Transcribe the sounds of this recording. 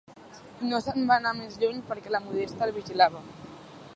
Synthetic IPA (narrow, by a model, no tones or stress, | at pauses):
nosəmbanamezʎuɲpəɾkɛləmuð̞est̪əːlˠβiʒilaβə